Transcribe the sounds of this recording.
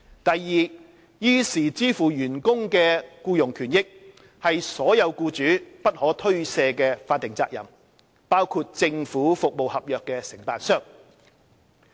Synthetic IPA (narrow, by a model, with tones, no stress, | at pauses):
t̪ɐ˨jːiː˨ | jiː˧siː˨˩t͡siː˥fuː˨˩jyː˨˩nkʊ˥ŋkɛː˧kuː˧jʊ˨˩ŋkʰyː˨˩njɪ˥k̚ | hɐ˨jsɔː˨˥jɐ˨˧wkuː˧t͡ʃyː˨˥pɐ˥t̚hɔː˨˥t̪ʰɵ˥ɥsɛː˧kɛː˧faː˧t̪̚ːɪ˨˩ŋt͡sa̰ː˧k̚jɐ̰˨˩m | paː˥wkʰuː˧t̚t͡sɪ˧ŋfuː˨˥fʊ˨k̚mo˨whɐ˨p̚jœː˨kːɛː˧sɪ˨˩ŋpaː˨nsœː˥ŋ